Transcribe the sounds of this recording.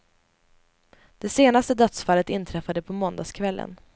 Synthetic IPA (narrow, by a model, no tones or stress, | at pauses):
d̪̥ɛseːnast̪əd̪œt̪sfaːlːət̪ɪnt̪ʰɾɛfad̪əpʰɔmɔnd̪askʰvɛlːə̰n